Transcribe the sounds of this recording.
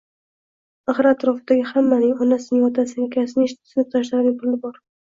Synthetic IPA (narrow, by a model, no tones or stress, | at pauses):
aχɾat̪ʰɾɒfɪd̪aɡʲɪhamːanɪŋɒnasɪnɪŋɒt̪ʰasɪnakʲʰasɪnɪʃsɪnɪp̚t̪ʰaʃ̬laɾnɪŋpʰʊlɪbɒɾ